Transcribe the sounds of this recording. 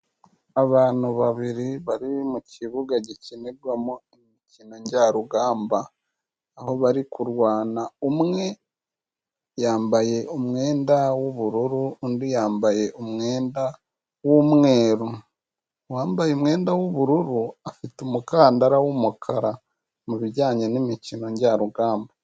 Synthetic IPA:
aβaːn̥huβaβiɾiβaɾiβimuciβuɡaɟecineɾɡwamoemicinoɲɟaɾuɡaːmbaː | ho̞βaɾikʰuɾwaːnaumŋe̞ | jaːmbaje̞umŋe̞ːndawoβuɾuɾuondijaːmbaje̞ʔumŋe̞ːnda | womŋe̞ːɾu | waːmbajemŋe̞ːndawoβuɾuɾuafitumukaːndaɾawomukʰaɾa | muβiɟaːɲanimicino̞ɲɟaːɾuɡaːmba

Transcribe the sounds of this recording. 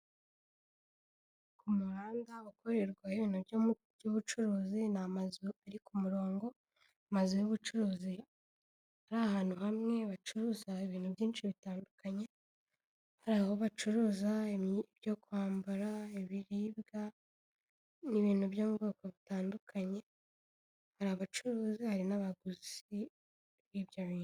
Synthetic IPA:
kumuɾaːndaβukʰoɾeɾɡwaheβiːn̥huβj | juβut͡ʃuɾuːzinamazuaɾikumuɾo̞ːŋɡo̞ | amazujuβut͡ʃuɾuːzi | haɾahaːn̥huhamŋe̞βat͡ʃuɾuzaiβiːn̥hubɟiːnʃiβitaːndukʰaɲe | haɾaho̞βat͡ʃuɾuːzaebjo̞kuhaːmbaɾaeβiɾiːbɡa | niβiːnhuβjoβuɡokoβitaːndukʰaɲe | haɾaβat͡ʃuɾuːzihaɾinaβaɡuzi | βiβjaβiːnu

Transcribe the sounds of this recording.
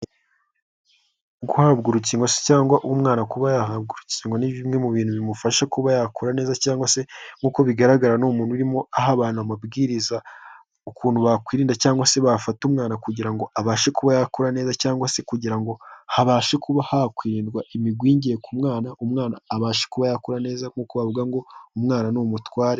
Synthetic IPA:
ɡuhabɡuɾuciːŋɡwase̥caːŋɡwaʔumŋaːnakuβajahabɡuɾuciːŋɡwaniβimŋe̞muβiːn̥huβimufaʃakuβajakʰoɾane̞ːzacaːŋɡwase̞ŋ̥ɡuːkoβiɡaɾaɡaɾanuːmuːn̥uɾimo̞aɦaβaːnuamabɡiːɾiza | ukuːn̤̥huβakwiːɾiːndacaːŋɡwase̞βafatumŋaːnakuɟiɾaŋɡo̞aβaːʃekuβajakoɾane̞ːzacaːŋɡwase̞kuɟiɾaŋɡo̞haβaːʃekʰuβahakwiːɾiːndɡwaʔimiɡwiːɲɟije̞kumŋaːnaʔumŋaːnaːβaːʃekuβajakoɾane̞ːzaŋukuβaβuɡaŋɡo̞umŋaːnanomutwaːɾe

